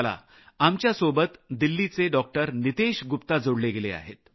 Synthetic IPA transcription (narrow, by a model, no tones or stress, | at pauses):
la̰ | amt͡ɕjasobət̪d̪ilːit͡seɖɔk̚ʈəɾnit̪eɕɡupt̪ad͡zoɽleɡelea̰ɦḛt̪̚